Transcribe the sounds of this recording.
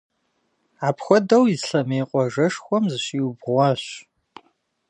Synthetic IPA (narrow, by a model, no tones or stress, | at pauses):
aːpʰxʷɔdɐwizɬɐmeːqʷʼɔʒɐʂxʷɔmzɨɕiːwbʁʷɑɕ